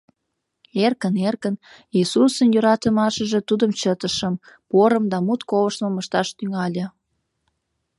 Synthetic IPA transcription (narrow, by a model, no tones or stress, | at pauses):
erkənerkən | isusənjøɾɑt̪əmɑʃəʒet̪ud̪əmt͡ɕət̪əʃəm | poɾəmd̪ɑmut̪koβəʃməməʃt̪ɑʃt̪yŋɑlʲə̆